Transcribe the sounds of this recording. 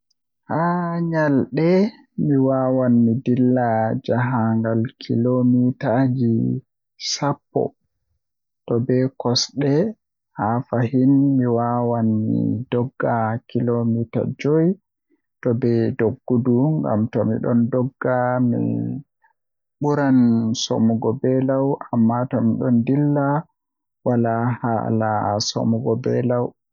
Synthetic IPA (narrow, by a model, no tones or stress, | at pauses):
haːɲalɗɛ | miwawanːidilːad͡ʒaɦaŋɡalkʰilomitad͡ʒi | sapːɔ̰ | tɔbɛkɔsɗɛ | hafahinmiwawanmḭdɔɡːakilomita̰d͡ʒoj | tɔbɛdoɡːuduŋɡa̰mtɔmḭɗɔndɔɡːamḭ | ɓuɾanso̰muɡɔbɛlawʔamːatɔmiɗɔndilːa | walaha̰laso̰muɡɔbɛ̰law